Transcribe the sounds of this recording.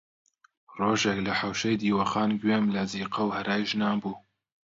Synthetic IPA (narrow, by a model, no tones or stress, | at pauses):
roːʒeklɐħawʃejd̪iːwɐxɑːnɡweːmlɐziːqɐwhɐɾʔɑːjʒnɑːmbuː